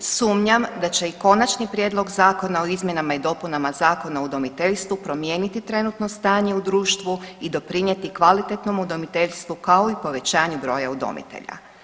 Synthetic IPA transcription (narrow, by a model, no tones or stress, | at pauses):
suːmɲamd̪at͡ɕe̞iko̞nat͡ʃnipɾʲjeːd̪lo̞ɡzaːko̞naoizmje̞namaid̪o̞punamazaːko̞naud̪o̞mit̪e̞ʎst̪ʋupɾo̞mje̞ːnit̪it̪ɾe̞nut̪no̞st̪aːɲe̞ud̪ɾuːʃt̪ʋuid̪o̞pɾiɲje̞t̪ikʋalit̪et̪no̞mud̪o̞mit̪e̞ʎst̪ʋukao̞ipo̞ʋe̞t͡ɕaːɲubɾo̞ːjaud̪o̞̰mḭt̪ḛʎa̰